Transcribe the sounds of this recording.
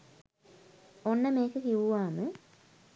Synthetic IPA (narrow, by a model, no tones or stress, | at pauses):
onːəmeːkːəkiʋuʋaːmɨ